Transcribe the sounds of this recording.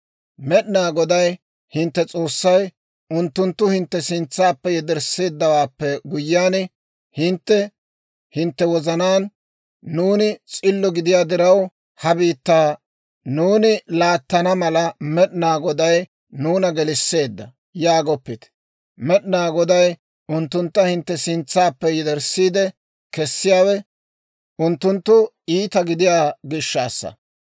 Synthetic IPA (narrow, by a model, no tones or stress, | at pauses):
mɛɗnaːɡɔd̪ɐj | hɪnt̪ːɛt͡sʼo̞ːsːɐj | ʊnt̪ːʊnt̪ːʊhɪnt̪ːɛsɪnt͡sːaːpːɛjɛd̪ɛɾsːe̞ːd̪ːɐwaːpːɛɡʊjːaːn | hɪnt̪ːɛ | hɪnt̪ːɛwɔzɐnaːnː | uːnɪt͡sʼɪlːɔɡɪd̪ɪjaːd̪ɪɾɐw | hɐbiːt̪ːaː | nuːnɪlaːt̪ːɐnɐmɐlɐmɛɗnaːɡɔd̪ɐj | nuːnɐɡɛlɪsːe̞ːd̪ːɐ | jaːɡɔpːɪt̪ | mɛɗnaːɡɔd̪ɐj | ʊnt̪ːʊnt̪ːɐhɪnt̪ːɛsɪnt͡sːaːpːɛjɪd̪ɛɾsːiːd̪ɛ | kɛsːɪjaːwɛ | ʔʊnt̪ːʊnt̪ːʊ | iːt̪ɐɡɪd̪ɪjaːɡɪʃːa̰ːsːɐ̰